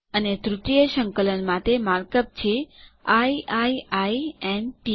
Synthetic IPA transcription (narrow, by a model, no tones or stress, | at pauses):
əned̪ɾut̪ijəʃəŋkələnmãt̪emaɾkəp̚t͡ʃʰeaiʔaiaiemʈi